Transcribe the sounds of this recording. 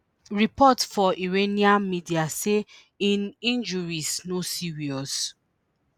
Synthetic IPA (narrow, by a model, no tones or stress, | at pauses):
ɹipɔtfɔʔiɹeniãmidiase | ĩnĩnd͡ʒuɹisnosiɹiɔs